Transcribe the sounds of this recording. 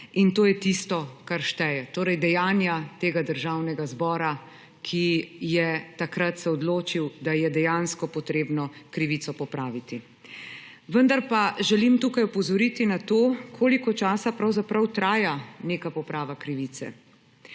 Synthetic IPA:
int̪oːjɛt̪ist̪ɔkaɾʃt̪ɛjɛt̪oːɾɛjd̪ɛjaːnjat̪eːɡad̪əɾʒaːwnɛɡazbɔːɾa | kʰijɛt̪akɾat̪sɛɔd̪loːt͡ʃiwd̪ajɛd̪ɛjaːnskɔpɔt̪ɾeːbnɔkɾiʋit̪sɔpɔpɾaːʋit̪i | ʋənd̪aɾpaʒɛlimt̪uːkajɔpɔzɔɾit̪inat̪oːkʰoːlikɔt͡ʃaːsapɾawzapɾɐwt̪ɾaːjaneːkapɔpɾaːʋakɾiʋit̪sɛ̰

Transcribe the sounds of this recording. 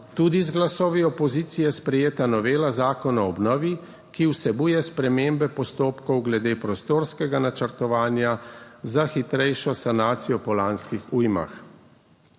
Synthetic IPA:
t̪uːd̪izɡlasɔːʋiɔpɔziːt̪sijɛspɾɛjeːt̪anɔʋeːlazaːkɔnɔɔbnɔːʋi | kiwsɛbuːjɛspɾɛmeːmbɛpɔst̪oːpkɔwɡlɛd̪eːpɾɔst̪oːɾskɛɡanat͡ʃəɾt̪ɔʋaːnjazaxit̪ɾɛjʃɔsanaːt̪sijɔpɔlanskixujma̰x

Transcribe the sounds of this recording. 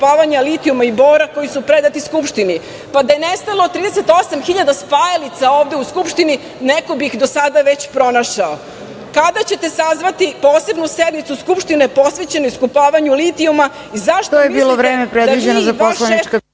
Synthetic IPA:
paːʋaɲalit̪iumaibo̞ːɾako̞jisupɾe̞d̪at̪iskupʃt̪ini | pad̪ajenest̪alˠot̪ːɾiːd̪ese̞t̪o̞samxiʎad̪aspajelit̪saoːʋd̪e̞uskupʃt̪ini | neko̞bixd̪o̞sad̪aʋe̞t͡ɕpɾo̞naʃao | kad̪at͡ɕe̞t̪e̞sazʋat̪ipo̞ːse̞bnused̪nit̪suskupʃt̪inepo̞sʋet͡ɕe̞noiskupaːʋaɲulit̪iuma | izaʃt̪ojmeibiːlˠovɾeːmepɾed̪ʋid͡ʑenozapolˠaniet͡ʃka

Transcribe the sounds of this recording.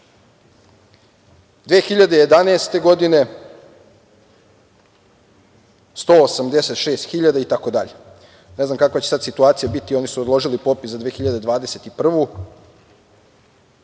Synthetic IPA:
d̪ʋeːxiʎad̪eje̞d̪aneːst̪e̞ɡo̞d̪ine̞ | st̪oːsamd̪e̞set̪ʃeːst̪xiʎad̪ait̪ako̞d̪aʎe | ne̞znamkakʋat͡ɕesad̪sit̪uaːt̪sijabit̪io̞nisuod̪lˠo̞ʒilipopiszad̪ʋeːxiʎad̪e̞d̪ʋaːd̪ese̞t̪ipr̩ʋu

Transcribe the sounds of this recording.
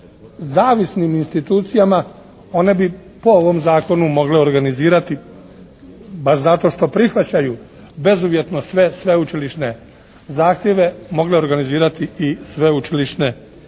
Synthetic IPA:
zaːʋisniminst̪it̪uːt̪sijama | o̞ne̞bi | po̞oʋo̞mzaːko̞numo̞ɡleo̞ɾɡaniziːɾat̪i | baʃzat̪o̞ʃt̪o̞pɾixʋat͡ɕaju | be̞zuːʋje̞t̪no̞sʋe̞sʋe̞ut͡ʃiliʃne̞ | zaːxt̪je̞ʋe̞mo̞ɡle̞o̞ɾɡaniziːɾat̪iisʋe̞ut͡ʃiliʃne̞

